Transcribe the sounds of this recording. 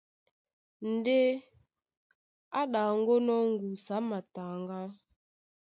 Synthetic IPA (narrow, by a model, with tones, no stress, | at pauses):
n̩˨de˦ | a˦ɗa˨ŋ˦ɡo˦nɔ˦ŋ̩˦ɡu˨sa˨˦ma˨ta˨ŋɡa˦